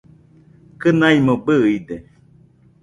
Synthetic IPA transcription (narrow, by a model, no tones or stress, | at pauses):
kɨnaimobɨid̪e